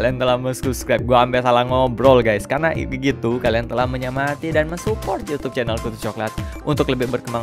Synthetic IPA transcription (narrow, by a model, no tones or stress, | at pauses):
aliant̪əlahməsupskɾajp̚ɡuaːmbɛsalaŋɔbəɾɔlɡajskarnaʔəɡit̪ukaliant̪əlahməɲamat̪idanməsupɔrt̪̚jut̪ʊp̚t͡ʃɛnəlkut̪ut͡ʃɔklat̪̚ʔunt̪ʊkləbɪhbərkəmaŋ